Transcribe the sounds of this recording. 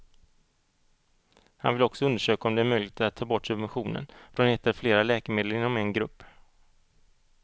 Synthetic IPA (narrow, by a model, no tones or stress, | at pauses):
ha̰nvɪlɔksɔɵnd̪əʂøːkaɔmd̪ɛæɾmœjlɪt̪at̪ʰːɑːbɔʈːsɵbvɛnɧuːnə̰nfɾɔneːt̪əɾfleːɾalɛːkəmeːd̪ləɾɪnːɔmɛnɡɾɵpː